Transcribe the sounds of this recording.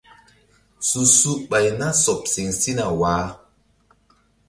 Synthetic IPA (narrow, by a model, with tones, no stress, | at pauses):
su˨su˦ɓa˨jna˦sɔ˨p̚si˨ŋsi˦na˨waː˨˦